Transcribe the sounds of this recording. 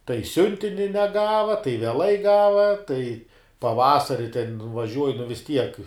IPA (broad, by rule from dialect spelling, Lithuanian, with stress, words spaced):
tɐɪ ˈsʲʊnʲtʲɪnʲɪ nʲɛˈɡɑːʋɐ tɐɪ ʋʲɛˈlˠɐɪ ˈɡɑːʋɐ tɐɪ pɐˈʋɑːsɐrʲɪ tʲɛn ʋɐˈʒʲuɔjɪ nʊ ʋʲɪs ˈtʲiɛk